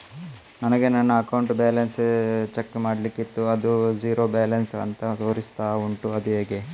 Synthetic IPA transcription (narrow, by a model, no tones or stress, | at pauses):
nɐnɐɡe̞nɐnːɐːkɐwɳʈbaːlɐnst͡ʃekːmaːɽlikːit̪ːuɐd̪ud͡ʒiːɾo̞ːbaːlɐnsɐ̰nt̪ɐt̪oːɾist̪aːuɳʈuɐd̪uɦeːɡe